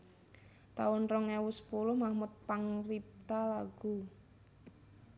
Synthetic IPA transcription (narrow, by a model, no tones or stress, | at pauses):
t̪a̰ʊnrɔŋɛwusə̥pulʊhmahmʊt̪̚paŋrip̚t̪alaɡ̥u